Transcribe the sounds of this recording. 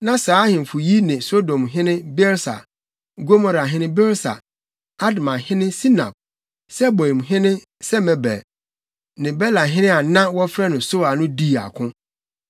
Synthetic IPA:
nã˦saː˨˦hɪ̃˨m̩˨fʊ˨ji˦nɪ̃˨so˦dɔ̃˨mɦɪ̃˦nɪ̃˦bɛ˦ɾsa̰˨ | ɡo˦mɔ̃˨ɾa˨ɦɪ̃˦nɪ̃˦bɛ˦ɾsa̰˨ | a˦dmã˨hɪ̃˦nɪ̃˦si˦nã̰˨p̚ | sɛ˦bɔ˨m˨ɦɪ̃˦nɪ̃˦ | sɛ˦mɛ̃˨bɛ̰˨ | nɪ̃˨bɛ˦lã˨ɦɪ̃˦nɪ̃˦a˨nã˦wɔ˦fɾɛ˦nʊ̃˨so˦a˨nʊ̃˦di˦˨a̰˨kʰʊ̃˦

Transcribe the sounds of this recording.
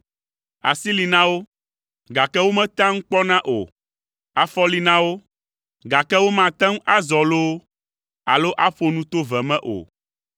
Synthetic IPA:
a̰˨si˦li˨nã˦wo˦ | ɡa˨kɛ˦wo˦mɛ̃˦t̪ã˦ŋ̩˦k͡pɔ˦nã˦ʔo̰˨ | a˨fɔ˦li˦nã˦wo˦ | ɡa˨kɛ˦wo˦mã˨t̪ã˦ŋ˦ʔa˦zɔ˨lo˦ | a̰˨lo˦ʔa˦ɸo˨nũ˦t̪o˦vɛ˨mɛ̃˦ʔo̰˨

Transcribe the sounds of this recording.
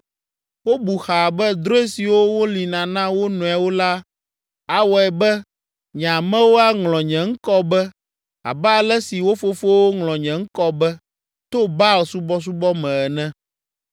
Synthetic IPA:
wo˦bu˨xa˨bɛ˦d̪ɾo˦e˦si˨wo˦wo˦li˨nã˨nã˦wo˦nũ˨ɛ˨wo˦la˦ | a˨wɔ˨ɛ˨bɛ˦ | ɲ̃˨a˨mɛ̃˦wo˦a˦ŋlɔ̃˨ɲɛ̃˨ŋ̩˦kɔ˦bɛ˦ | a̰˨bɛ˦a˨lɛ˦si˨wo˦fo˦fo˦wo˦ŋlɔ̃˨ɲɛ̃˨ŋ̩˦kɔ˦bɛ˦ | t̪o˦ba˦o˨su˦bɔ˦s̬u˦bɔ˦mɛ̃˨ɛ˨nɛ̃˦

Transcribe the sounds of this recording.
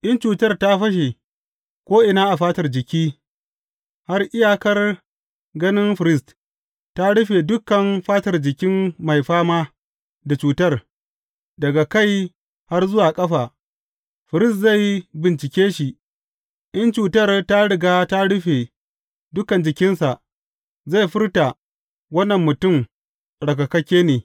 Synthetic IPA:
ʔɪ˦nt͡ʃuː˨tɐ˦rta˦ɸɐ˦ʃ̬e˨ | kʷoː˦ʔɪ˨naː˦ʔa˨ɸaː˦tɐ˨rd͡ʒɪ˨kʲiː˦ | ha˦rʔɪ˦jaː˨kɐ˦r | ɡɐ˦nɪ˦nɸɪ˨ɾɪ˦˨st | ta˦ɽʊ˦ɸeː˨dʊ˦kːɐ˨nɸaː˦tɐ˨rd͡ʒɪ˨kʲɪ˦mma˨jɸaː˦maː˦ | da˨t͡ʃuː˨tɐ˦r | dɐ˨ɡa˨ka˦˨j | ha˦rzʊ˦waː˨kʼɐ˦ɸaː˨ | ɸɪ˨ɾɪ˦stza˦˨jbɪ˨nt͡ʃɪ˨kʲeː˦ʃi˨ʔ | ʔɪ˦nt͡ʃuː˨tɐ˦˨rta˦ɽɪ˨ɡaː˦ta˦ɽʊ˦ɸe˨ | dʊ˦kɐ˨nd͡ʒɪ˨kʲɪ˦nsa˨ʔ | za˦˨jɸɪ˦rta˨ | wɐ˦nːɐ˨mːʊ˨tʊ˦˨m | ɽɐ˨kɐ˨kɐ˦kʲeː˦neː˨

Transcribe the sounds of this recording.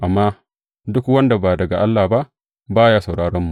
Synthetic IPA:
ʔa˨mːaː˦ | dʊ˦kwɐ˦nda˨baː˨dɐ˨ɡa˨ʔa˦lːaː˨ba˦ʔ | baː˦jaː˦sa˨wɽaː˦ɽɔ˦mːu˨ʔ

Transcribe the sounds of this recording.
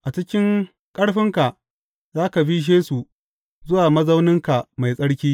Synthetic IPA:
ʔa˨t͡ʃɪ˦kʲɪ˦ŋ | kʼɐ˦ɽɸɪ˦ŋka˨ʔ | zaː˦ka˨bi˦ʃ̬eː˦su˨ | zʊ˦waː˨mɐ˦zɐ˦wnɪ˦ŋka˨ma˨jsʼɐ˦ɽkʲiː˦

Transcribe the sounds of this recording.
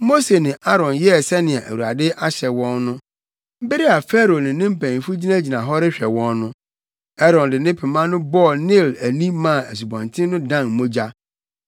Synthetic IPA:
mo˦se˨nɪ̃˨ʔa˦ɾɔ̃˨njɛ˦˨sɛ˦nɪ̃˨a̰˨ʔæ̰˨wu˨a˨dɪ˦ʔa˦ɕɛ˨wɔ̃˦nːʊ̃˦ | m̩˦bɪ˦ɾɪ˦a˨fɛ˦ɾo˨nɪ̃˨nɪ̃˦m̩˦pæ̃˨n˨fu˦d͡ʑi˦nã˦d͡ʑi˨nã˨ɦɔ˦ɾɪ˦ɕᶣɛ˨wɔ̃˦nːʊ̃˦ | ɛ˦ɾɔ̃˨ndɪ˨nɪ̃˦pʰɛ˨mã˦nʊ̃˦bɔ˦˨nɪ˦˨læ˨nĩ˦mã˦˨æ˨s̬u˨bɔ̃˨ntʰɪ̃˦nʊ̃˦dã˦˨nmo˦d͡ʑa˦

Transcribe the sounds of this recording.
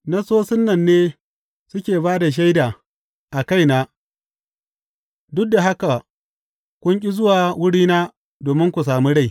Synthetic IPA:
na˦soː˦sɪ˦nːɐ˨nːeː˦ | sʊ˦kʲeː˨baː˦da˨ʃ̬a˦jdaː˨ | ʔa˨ka˦˨jnaː˦ | dʊ˦k̚da˨ɦa˦ka˨ | kʷʊ˦ŋkʲʼi˦zʊ˦waː˨wʊ˦ɽiː˦naː˦ | doː˨mɪ˦ŋkʷu˨s̬aː˨mi˦ɽa˦j

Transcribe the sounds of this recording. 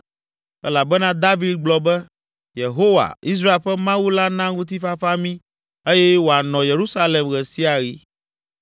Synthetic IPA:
ɛ̰˦la˨bɛ˦nã˦d̪a˦vi˦d̪̚ɡ͡blɔ˨bɛ˦ | je˨ɦo˦wa̰˨i˦s̬ɾa˦e˨lɸɛ˦mã˦wu˦la˦nã˦ŋũ˦t̪̬i˦fa˦fa˦mĩ˦ | e˦jɛ˦wo˨a˨nɔ̃˨je˨ɾu˦sa˦le˨mɣɛ˨si˦a˨ɣi˦

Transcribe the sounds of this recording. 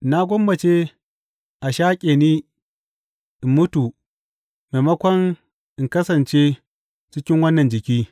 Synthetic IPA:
na˦ɡʷɔ˦mbɐ˨t͡ʃe˦ | ʔa˨ʃaː˦kʲʼeː˨niː˦ | ʔɪ˨mːʊ˦tu˨ | me˨mɐ˦kʷɔ˦ŋ | ʔɪ˨ŋkɐ˦sɐ˨nt͡ʃe˦ | t͡ʃɪ˦kʲɪ˦ŋwɐ˦nːɐ˨nd͡ʒɪ˨kʲiː˦

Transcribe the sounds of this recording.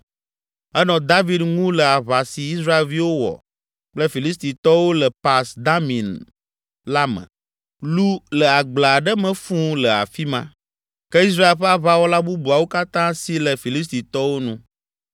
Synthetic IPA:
ɛ˦nɔ̃˨d̪a˦vi˦d̪ŋũ˦lə˨a˨βa˨si˨i˦s̬ɾa˦e˨lvi˦wo˦wɔ̰˨ | k͡plə˦fi˨li˦st̪i˨t̪ɔ˦wo˦lɛ˨pa˨sd̪a˦mĩ˨n | la˦mɛ̰̃˨ | lu˦lɛ˨a˨ɡ͡bla˨ɖɛ˦mɛ̃˨fũ˦lɛ˨a̰˨fi˦mã̰˦ | kɛ˦i˦s̬ɾa˦e˨lɸɛ˦a˨βa˦wɔ˦la˦bu˦bu˨a˨wo˦ka˦t̪ã˦si˦lɛ˨fi˨li˦s̬t̪i˨t̪ɔ˦wo˦nũ˦

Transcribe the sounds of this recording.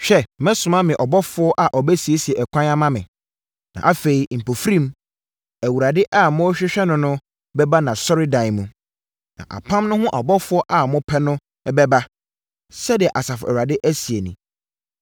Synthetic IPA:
ɕᶣɛ˦mɛ̃˦sʊ̃˨mã˦mɪ̃˨ʔɔ˨bɔ˦fʊ˦ɔ˦ʔa˨ʔɔ˨bɛ˦si˨e˦si˨e˨ɛ˨kʷʰã˦na˦mã˦mɪ̰̃˨ | nã̰˨ʔa˦fe˨i˨m̩˨pʰo˨fɾĩ˦m | æ˨wu˨ɾa˨dɪ˦ʔa˦˨mʊ̃˦ɔ˦ɕᶣɪ˦ɕᶣɛ˦nʊ̃˦nʊ̃˦ | bɛ˦ba˦nã˨sɔ˦ɾɪ˦dã˨ɪ˨mũ˨ | nã̰˨ʔa̰˨pʰã˦mnʊ̃˦hʊ̃˦ʔɔ˨bɔ˦fʊ˦ɔ˦ʔa˨mʊ̃˦pʰɛ˦nʊ̃˦ | bɛ˦ba˦ | sɛ˦dɪ˨ɛ˨ʔa˨sa˨fʊ˨æ˨u˨ɾa˨dɪ˦ʔæ˦si˨e˨nĩ˨

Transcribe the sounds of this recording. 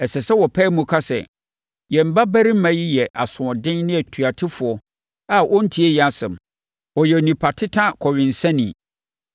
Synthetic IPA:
ɛ˨sɛ˨sɛ˦wɔ˨pʰɛ˦mũ˨kʰa˦sɛ̰˨ | jɛ̃˨m̩˨ba˦bæ˦ɾi˦m˦mã˨˦ji˦jɛ˨ʔa˨sʊ̃˨ɔ˨dɪ̃˦nnɪ̃˦æ˨tʰu˨a˨tʰɪ˦fʊ˨ɔ˨ | a˨ʔɔ˦n̩˦tʰi˦ɛ˦jɛ˨a˨sɪ̰̃˨m˨ | ɔ˨jɛ˨nĩ˨pʰa˨tʰɪ˦tʰã˦kʰɔ˨ɥɪ̃˨n̩˨sã˦nĩ˨

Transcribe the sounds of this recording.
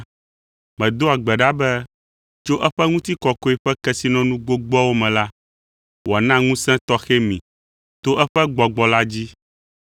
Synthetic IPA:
mɛ̃˨d̪o˦a˨ɡ͡bɛ˨ɖa˦bɛ˦ | t͡ʃo˦ʔɛ˦ɸɛ˦ŋũ˦t̪i˦kɔ˨ko˦ɛ˦ɸɛ˦kɛ˦si˦nɔ̃˦nũ˦ɡ͡bo˦ɡ͡bɔ˦wo˦mɛ̃˨la˦ | wɔ˨a˨nã˦ŋũ˦sɛ̃˦t̪ɔ˦xɛ˦mḭ̃˨ | t̪o˦ʔɛ˦ɸɛ˦ɡ͡bɔ˨ɡ͡bɔ˨la˦d͡ʑi˦

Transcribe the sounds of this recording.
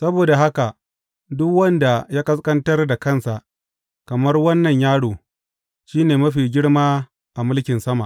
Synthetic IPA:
sɐ˦boː˨da˨ɦa˦ka˨ | dʊ˦kwɐ˦nda˨jaː˦kʼɐ˦skʼɐ˦ntɐ˦rda˨kɐ˦˨nsa˨ʔ | kɐ˨mɐ˦rwɐ˦nːɐ˨ɲjaː˦ɽoː˨ | ʃiː˦neː˨mɐ˦ɸiː˨ɡʲɪ˦ɽmaː˦ | ʔa˨mʊ˦lkʲɪ˨nsɐ˦ma̰˨ʔ

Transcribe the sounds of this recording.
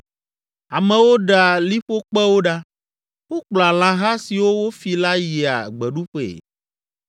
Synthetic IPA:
a˨mɛ̃˨wo˦ɖa˨li˦ɸo˦k͡pɛ˦wo˦ɖa˦ | wo˦k͡pla˨l̃ã˨ɦa˦si˨wo˦wo˦fi˨la˦ji˨a̰˨ɡ͡bɛ˨ɖu˦ɸḛ˨

